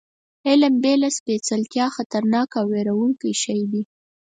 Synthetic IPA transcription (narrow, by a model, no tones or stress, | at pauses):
ɪlɪmbelaspet͡salt̪jɑxat̪aɾnɑkawːeɾawuŋkijʃajd̪i